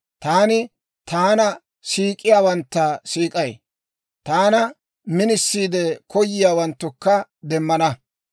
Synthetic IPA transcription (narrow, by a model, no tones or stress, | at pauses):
t̪aːnɪ | t̪aːnɐ | siːkʼːɪjaːwɐnt̪ːɐsiːkʼɐj | t̪aːnɐ | mɪnɪsːiːd̪ɛkʰɔjːɪjaːwɐnt̪ːʊkːɐd̪ɛmːɐnɐ